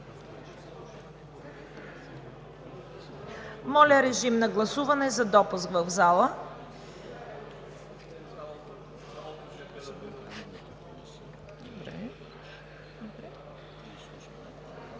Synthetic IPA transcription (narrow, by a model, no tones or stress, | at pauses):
mɔlʲəɾɛʒimnɐɡlˠɐsuvɐnɛzɐd̪ɔpuskvəvzalˠə | d̪obɾɛ̰ | d̪obɾɛ